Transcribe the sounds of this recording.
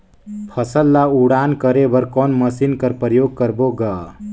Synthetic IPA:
pʰəsəlːauɽaːnkəɾebəɾkɔːnməsinkəɾpɾəjoːɡ̚kəɾboɡa

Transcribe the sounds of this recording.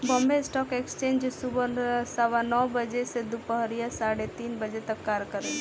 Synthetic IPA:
bɔ̃ːmbeɪsʈɔːkekst͡ʃẽːnd͡ʒsubəsəʋanɔːbəd͡ʒesed̪upəɦɾijasaːɽet̪iːnbəd͡ʒet̪ɐkːaːɾkəɾe

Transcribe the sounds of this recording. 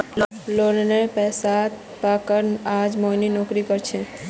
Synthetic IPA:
l | loɾnepɛsat̪ | pakəɾnad͡ʒmoninɔkɾikəɾt͡ʃʰɛ̃

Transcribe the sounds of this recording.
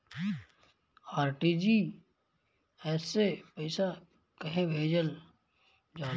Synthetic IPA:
aːɾʈid͡ʒi | ɛːsepɐɪsa | kəɦebʱeːd͡ʒəl | d͡ʒãː

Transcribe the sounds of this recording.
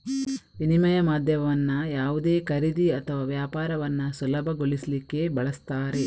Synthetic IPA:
inimɐjɐmaːd̪ʱjɐʋʋɐnːɐjaːʋud̪e̞ːkɐɾid̪iɐt̪ʰɐʋaːʋjaːpaːɾɐʋɐnːɐsɐlɐbʱɐɡoɭislikːe̞bɐɭɐst̪aːɾe̞

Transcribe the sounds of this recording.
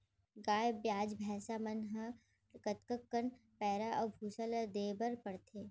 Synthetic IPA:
ɡaːjbjaːd͡ʒbʱɛːsamɐnɦɐ | kət̪kəkkːəɳpɛːɾaʔɔːbʱuːsəld̪eːbəɾpɐɽt̪ʰeː

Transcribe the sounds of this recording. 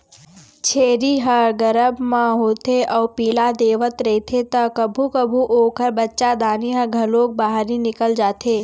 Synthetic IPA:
t͡ʃʰeːɾiɦəɡəɾəbmãɦoːt̪eʔɔːpiːlad̪eːʋət̪ɾɐt̪ʰet̪ɐkɐbʱukɐbʱuʔoːkəɾbɐtːʃad̪aːniɦəɡʱɐloːk̚baːɦɾinɪkəld͡ʒaːt̪ʰeː

